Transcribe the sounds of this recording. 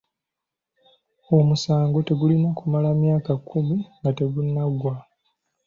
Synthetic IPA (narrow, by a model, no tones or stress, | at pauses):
o̞musaːŋɡo̞te̞ɡulinakumalamjaːkakʰːumiŋɡate̞ɡunːaɡwa